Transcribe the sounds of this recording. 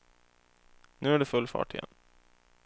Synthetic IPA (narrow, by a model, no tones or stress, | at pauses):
nʉ̟ːæɖɵfɵlːfɑ̰ːʈɪjɛ̰nː